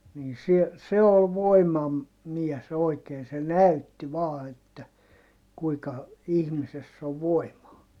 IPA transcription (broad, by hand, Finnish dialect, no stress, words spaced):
niː sie se ol ʋoimɑm miɛs oikeːn se næytːi ʋɑː etːæ kuikɑ ihmisesː o ʋoimɑː